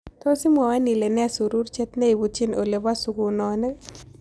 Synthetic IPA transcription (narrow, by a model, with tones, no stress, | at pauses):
t̪o˦si˦mwa˨wa˦ni˨le˨nɛ˦a˨su˨ɾu˦ɾt͡ʃɛ˦t̪nɛ˦i˨bu˨t͡ʃi˦no˨le˨βa˦su˨ɡu˨nɔ˨nɛ˦